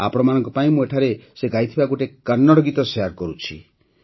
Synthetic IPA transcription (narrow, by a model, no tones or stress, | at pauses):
a̰pɔɾɔmanɔ̃ŋkɔpaĩmũeʈʰaɾeseɡajt̪ʰibaɡoʈekaɾnːɔɽɔɡit̪ɔseaɾkɔɾut͡ʃʰḭ